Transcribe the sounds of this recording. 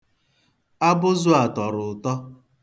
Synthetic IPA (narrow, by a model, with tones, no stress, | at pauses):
a˦bʊ˦zʊ˦a˨tɔ˨ɾʊ˨tɔ˦